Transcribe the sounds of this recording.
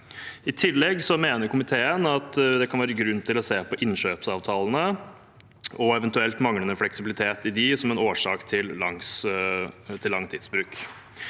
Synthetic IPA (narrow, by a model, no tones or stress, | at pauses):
ɪt̪ʰɪlːɛɡsɔmeːnəɾkʊmɪt̪ʰeːənɑt̪d̪ɛkʰɑnʋæːɾəɡɾʉnːt̪ʰɪlɔseːpʰɔʔɪnɕøːpsɑːʋt̪ʰɑːlənə | ɔɛʋənt̪ʉɛlt̪mɑŋlənəflɛksɪbɪlɪt̪ʰeːt̪ɪd̪ɪsɔmɛnoːʂɑːkt̪ʰɪlːɑŋs | t̪ʰɪlːɑŋt̪ʰɪːd̪sbɾʉːk